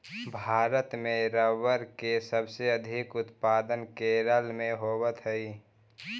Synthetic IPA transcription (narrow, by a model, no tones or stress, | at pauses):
bʱaːɾət̪mẽɾəwəɾkesəbseəd̪ʱɪkʊt̪paːd̪ənkeɾəlmẽɦoːwət̪ɦəiː